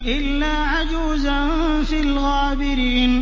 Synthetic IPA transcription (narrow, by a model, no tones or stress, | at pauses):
ʔɪlːaːʕad͡ʒuːzan | fɪlɣaːbɪɾiːn